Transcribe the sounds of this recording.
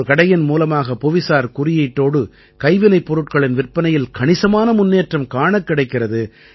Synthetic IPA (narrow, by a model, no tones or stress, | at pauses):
kɐɽɐjɐnmuːlɐmaːɣɐpɔʋɪsaːɾkʊɾɪjɐɪʈːoːɽɯ | kɐɪʋɪnɐɪpːɔɾɯʈ̚kɐɭɪnʋɪrpɐnɐjɪlkɐɳɪsɐmaːnɐmʊnːeːʈrɐmkaːɳɐkːɪɽɐɪkːɪrɐðɯ